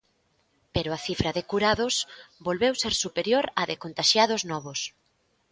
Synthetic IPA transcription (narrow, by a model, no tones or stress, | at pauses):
peɾʊaθifɾɐðɪkuɾaðʊsbolβewseɾsupeɾjoɾɐðɪkont̪aʃjaðoznɔβ̞ʊs